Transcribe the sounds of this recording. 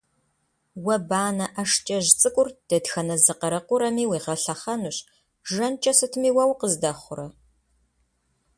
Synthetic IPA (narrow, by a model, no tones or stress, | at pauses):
wɐbaːnɐʔɐʂt͡ʃʼɐʒt͡sʼɨkʷʼʊrd̥ɐdxɐnɐzɨqɐɾɐqʷʊɾɐmiːwiːʁɐɬɐχɐnuɕ | ʒɐnt͡ʃʼɐsɨtʰɨmiːwɐwqəzdɐχʷʊɾɐ